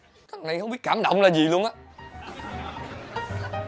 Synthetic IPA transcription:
kaː˦˥k̚na˨˩jxə˧wŋ͡mɓi˦˥t̚kaː˧˩mɗə̰˧˨wŋ͡mlaː˨˩zi˨˩lu˧ənʔaː˨˦

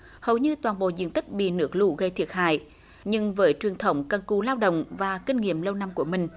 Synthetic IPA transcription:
hə˨˩wɲɨ˧t̪waː˨˩nɓo̰˧˨zḭ˧˨ənt̪ï˦˥k̟̚ɓḭ˧˨nɨ˦˥ək̚lu˧˩ɣə˧jt̪ʰi˨˩ət̚ha̰ː˧˨j | ɲɨ˧ŋvəː˨˦jt͡ɕwi˨˩ənt̪ʰə˨˦wŋ͡mkə˧˩nku˧˩laː˧wɗə̰˧˨wŋ͡mvaː˨˩kï˧ŋ̟ŋḭ˧˨əmlə˧wna˧mku˧˩əmï˨˩ŋ̟

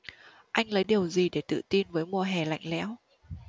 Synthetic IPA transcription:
ʔa˧jŋ̟lə˨˦jɗi˨˩əwzi˨˩ɗe˧˩t̪ɨ̰˧˨t̪i˧nvəː˨˦jmu˧˨˩əɦɛ˨˩la̰˧˨jŋ̟lɛ̰˧˥w

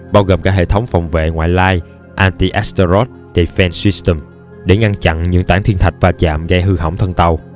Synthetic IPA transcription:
ɓaː˧wɣəː˨˩mkaː˦˥k̚hḛ˧˨t̪ʰə˨˦wŋ͡mfa˨˩wŋ͡mvḛ˧˨ŋwa̰ː˧˨jlaː˧j | ʔaː˧nt̪i˧ʔa˦˥st̪ə˧ɾɔ˦˥t̚ | ɗe˨˩fɛ˧nsi˧˦˥st̪ə˨˩m | ɗe˧˩ŋa˧ŋt͡ɕa̰˧˨nɲɨ̰˧˥ŋt̪aː˧˩nt̪ʰi˧ənt̪ʰa˨˩k̟̚vaː˨˩t͡ɕa̰ː˧˨mɣa˧jɦɨ˧ɦə̰a˧˩wŋ͡mt̪ʰə˧nt̪a˧w

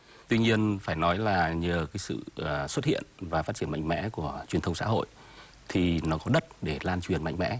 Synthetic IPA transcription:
t̪wi˧ɲi˧ənfaː˧˩jnɔ˨˦jlaː˨˩ɲəː˨˩kaː˨˦jsɨ̰˧˨swə˦˥t̚hḭ˧˨ənvaː˨˩faː˦˥t̚t͡ɕi˧˩əma̰˧˨ŋ̟mɛ̰˧˥ku˧˩ət͡ɕwi˨˩ənt̪ʰə˧wŋ͡msa̰ː˧˥ɦo̰˧˨j | t̪ʰi˨˩nɔ˨˦kɔ˨˦ɗə˦˥t̚ɗe˧˩laː˧nt͡ɕwi˨˩ənma̰˧˨jŋ̟mɛ̰˧˥

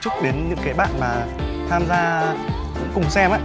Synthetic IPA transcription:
t͡ɕʊ˦˥k͡p̚ɗe˨˦nɲɨ̰˧˥ŋkaː˨˦jɓa̰ː˧˨nmaː˨˩ | t̪ʰaː˧mzaː˧ | kʊ̰˧˥kʊ˨˩ŋ͡msɛ˧mʔaː˧˦

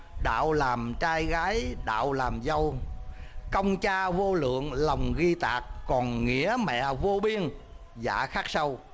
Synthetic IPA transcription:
ɗa̰ː˧˨wlaː˨˩mt͡ɕaː˧jɣaː˨˦jɗa̰ː˧˨wlaː˨˩mzə˧w | kə˧wŋ͡mt͡ɕaː˧vo˧lɨ̰˧˨əŋlə˨˩wŋ͡mɣi˧t̪aː˨˩k̚ːɔ˨˩nŋḭ˧˥əmɛ̰˧˨vo˧ɓi˧ən | za̰ː˧˩xaː˦˥k̚sə˧w

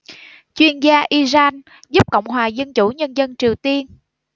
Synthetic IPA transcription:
t͡ɕwi˧ənzaː˧ʔi˧zaː˧n | zu˦˥p̚kə̰˧˨wŋ͡mɦwaː˨˩zə˧nt͡ɕu˧˩ɲə˧nzə˧nt͡ɕi˨˩əwt̪i˧ən

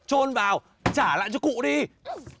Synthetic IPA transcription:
t͡ɕo˧nvaː˨˩w | t͡ɕaː˧˩la̰ː˧˨jt͡ɕɔ˧kṵ˧˨ɗi˧

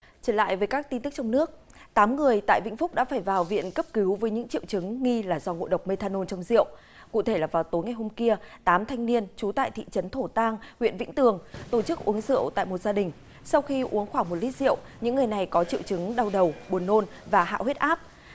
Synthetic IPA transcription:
t͡ɕəː˧˩la̰ː˧˨jvəː˨˦jkaː˦˥k̚t̪i˧nt̪ɨ˦˥k̚t͡ɕɔ˧wŋ͡mnɨ˦˥ək̚ | t̪aː˨˦mŋɨ˨˩əjt̪a̰ː˧˨jvḭ˧˥ŋ̟fʊ˦˥k͡p̚ɗa̰ː˧˥faː˧˩jvaː˨˩wvḭ˧˨ənkə˦˥p̚ki˨˦wvəː˨˦jɲɨ̰˧˥ŋt͡ɕḭ˧əwt͡ɕɨ˨˦ŋːi˧laː˨˩zɔ˧ŋo̰˧˨ɗə˨˩wk͡p̚me˧t̪ʰaː˧no˧nt͡ɕɔ˧wŋ͡mzḭ˧˨əw | kṵ˧˨t̪ʰe˧˩laː˨˩vaː˨˩wt̪o˨˦jŋa˨˩jɦo˧mki˧ət̪aː˨˦mt̪ʰa˧jŋ̟ni˧ənt͡ɕu˨˦t̪a̰ː˧˨jt̪ʰḭ˧˨t͡ɕə˨˦nt̪ʰo˧˩t̪aː˧ŋhwḭ˧˨ənvḭ˧˥ŋ̟t̪ɨ˨˩əŋt̪o˧˩t͡ɕɨ˦˥k̚ʔu˨˦əŋzɨ̰˧˨əwt̪a̰ː˧˨jmo˨˩t̚zaː˧ɗï˨˩ŋ̟ | sa˧wxi˧ʔu˨˦əŋxwaː˧˩ŋmo˨˩t̚li˦˥t̚zḭ˧˨ə˨wɲɨ̰˧˥ŋːɨ˨˩əjna˨˩jkɔ˨˦t͡ɕḭ˧əwt͡ɕɨ˨˦ŋɗa˧wɗə˨˩wɓu˨˩ənːo˧n | vaː˨˩ɦa̰ː˧˨hwe˦˥t̚ʔaː˦˥p̚

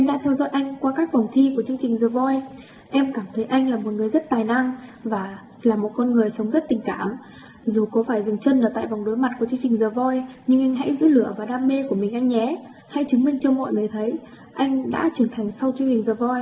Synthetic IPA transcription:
ʔɛ˧mɗa̰ː˧˥t̪ʰɛ˧wzɔ̰˧˥jʔa˧jŋ̟kwaː˧kaː˦˥k̚fə˨˩wŋ͡mt̪ʰi˧ku˧˩ət͡ɕɨ˧əŋt͡ɕï˨˩ŋ̟zəː˨˩vɔ˧j | ʔɛ˧mkaː˧˩mt̪ʰə˨˦jʔa˧jŋ̟laː˨˩mo˨˩ŋɨ˨˩əjzə˦˥t̚t̪aː˨˩jna˧ŋvaː˨˩ | laː˨˩mo˨˩kɔ˧nŋɨ˨˩əjsə˨˦wŋ͡mzə˦˥t̚t̪ï˨˩ŋ̟kaː˧˩m | zu˨˩kɔ˨˦faː˧˩jzɨ˨˩ŋt͡ɕə˧nlaː˨˩t̪a̰ː˧˨jva˨˩ŋ͡mɗo˨˦jma˨˩t̚k̚u˧˩ət͡ɕɨ˧əŋt͡ɕï˨˩ŋ̟zəː˨˩vɔ˧jɲɨ˧ŋʔa˧jŋ̟ɦa̰˧˥jzɨ̰˧˥lɨ̰˧˨əvaː˨˩ɗaː˧mːe˧ku˧˩əmï˨˩ŋ̟ʔa˧jŋɲɛ˨˦ | ha˧˥jt͡ɕɨ˨˦ŋmï˧ŋ̟t͡ɕɔ˧mɔ̰˧˨jŋɨ˨˩əjt̪ʰə˨˦j | ʔa˧jŋ̟ɗa̰ː˧˥t͡ɕwi˧˩ənt̪ʰa˨˩jŋ̟sa˧wt͡ɕɨ˧əŋt͡ɕï˨˩zəː˨˩vɔ˧j

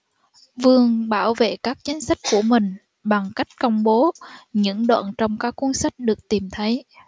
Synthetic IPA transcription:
vɨ˨˩əŋɓaː˧˩wvḛ˧˨kaː˦˥k̚t͡ɕi˨˦ŋ̟sa˦˥jk̟̚ku˧˩əmï˨˩ŋ̟ | ɓa˨˩ŋka˦˥jk̟̚kə˧wŋ͡mɓo˨˦ɲɨ̰˧˥ŋɗwa̰ː˧˨nt͡ɕɔ˧wŋ͡mkaː˦˥kːu˧˦nsa˦˥jk̟̚ɗɨ˨˩ək̚t̪i˨˩mt̪ʰə˨˦j

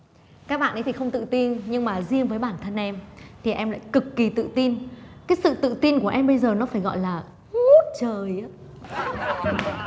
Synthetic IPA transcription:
kaː˦˥k̚ɓa̰ː˧˨ʔə˨˦t̪ʰi˨˩xə˧wŋ͡mt̪ɨ̰˧˨t̪i˧nɲɨ˧ŋmaː˨˩zi˧əŋvəː˨˦jɓaː˧˩nt̪ʰə˧nʔɛ˧mt̪ʰi˨˩ʔɛ˧mla̰ː˧˨jkɨ˨˩kːi˨˩t̪ɨ̰˧˨t̪i˧nkaː˨˦jsɨ̰˧˨t̪ɨ̰˧˨t̪i˧nku˧˩əʔɛ˧mɓə˧jzəː˨˩nɔ˨˦faː˧˩jɣɔ̰˧˨jlaː˨˩ | ŋu˦˥t̚t͡ɕəː˨˩jʔa˨˦

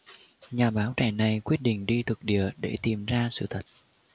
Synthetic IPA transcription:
ɲaː˨˩ɓaː˨˦wt͡ɕɛ̰˧˩na˨˩jkwi˦˥ət̚ɗḭ̈˧˨ŋ̟ɗi˧t̪ʰɨ˨˩k̚ɗḭ˧˨əɗḛ˧˩t̪i˨˩mzaː˧sɨ̰˧˨t̪ʰə˨˩t̚

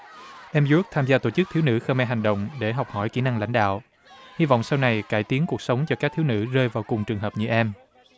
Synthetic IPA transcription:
ʔɛ˧mzu˨˦˥k̚t̪ʰaː˧mzaː˧t̪o˧˩t͡ɕɨ˦˥k̚t̪ʰi˨˦wnɨ̰˧˥xəː˧mɛ˧ɦa˨˩ŋ̟ɗə̰˧˨wŋ͡mɗe˧˩ɦa˨˩wk͡p̚hɔ˧˩jki˧˩˦na˧ŋla̰˧jŋ̟ɗa̰ː˧˨w | hi˧vɔ̰˧˨wŋ͡msa˧wna˨˩jkaː˧˩jt̪i˨˦ŋku˨˩ək̚sə˨˦wŋ͡mt͡ɕɔ˧kaː˦˥k̚t̪i˨˦wnɨ̰˧˥zəː˧jvaː˨˩wkʊ˨˩ŋ͡mt͡ɕɨ˨˩əŋɦəː˨˩p̚ɲɨ̰˧˥ʔɛ˧m

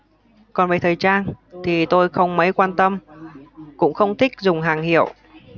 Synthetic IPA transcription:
kɔ˨˩nveː˨˩t̪əː˨˩jt͡ɕaː˧nt̪ʰi˨˩t̪o˧jxə˧wŋ͡mmə˨˦jkwaː˧nt̪ə˧m | kʊ̰˧˥ŋ͡mxə˧wŋ͡mt̪ʰï˦˥k̚zʊ˨˩ŋ͡mɦaː˨˩ŋhḭ˧˨əw

